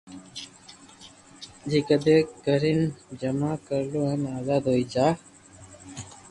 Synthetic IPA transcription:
d͡ʒiːkəd̪ekɡəɾind͡ʒəmaːkəɾloːɦənaːzaːd̪ɦoit͡ʃaː

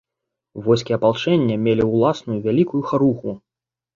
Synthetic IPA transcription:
vɔjsʲkʲiɐpalˠt͡ʂɛnʲːɐmʲelʲiwlˠasnujuvʲalʲikujuxaɾuxu

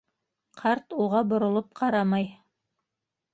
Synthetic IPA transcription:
qʰɑɾt̪uʁɑbŏɾŏlˠop̚qʰɑɾɑmɑj

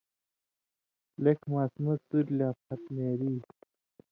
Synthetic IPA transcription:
lekʰmaːsmɐsuɾlʲaːpʰɐt̪meːɾiː

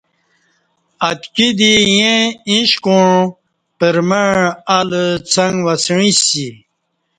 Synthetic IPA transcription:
ɐt̪kid̪ijẽĩɕkoɳ | pəɾmeɻalət͡sʰɐŋɡʋɐsɻĩsi

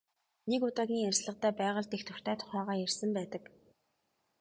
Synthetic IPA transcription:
nekʊt̪aɣʲiːŋærsɮə̆qt̪æːpæːʁə̆ɮt̪ext̪ʰɵr̥t̪ʰæːt̪ʰʊ̥χæːʁaːjærsə̆mpæːt̪ə̆k

